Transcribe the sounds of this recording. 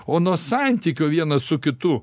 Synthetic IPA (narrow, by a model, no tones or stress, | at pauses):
oːnuɔsɑnʲt̪ʲiːkʲoːʋʲiɛnɐssʊkʲɪt̪ʊ